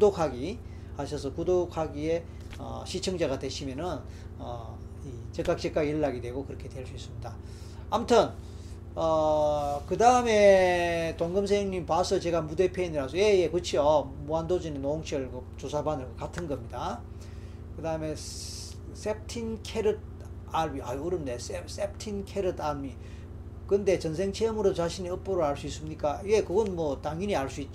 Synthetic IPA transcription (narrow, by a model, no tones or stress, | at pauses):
kudokʰaɡi | haɕʰʌsʰʌkudokʰaɡie̞ | ʌ̰ɕʰit͡ɕʰɯŋd͡ʑaɣadwe̞ɕʰimjʌnɯnʌ | it͡ɕek͈ak̚t͡ɕ͈ek͈aiiɭːaɡidwe̞ɡokɯɾʌkʰe̞dweɭs͈uis͈ɯmɲida | amutʰʌn | ʌ | kɯdaɯme̞ | toŋɡɯmsʰejiŋɲimpasʰʌt͡ɕe̞ɡamudepʰeiniɾasʰojejekɯt͡ɕʰiomuɦandod͡ʑinenooŋɕʰiɯɡot͡ɕosʰabanɯɭɡokatʰɯnɡʌmɲida | kɯdaɯme̞ | sʰep̚tʰinkʰeɾɯd̚ | aɭbiaioɾɯmndesesep̚tʰinkʰeɾɯdʰaɭmi | kɯnde̞t͡ɕʌns̬ʰeŋt͡ɕʰe̞ɯmɯɾot͡ɕaɕʰineʌp͈oɾoaɭs͈uis͈ɯmɲik͈aje̞kɯɡʌnmwʌtaŋiɲiaɭs͈uit̚t͡ɕ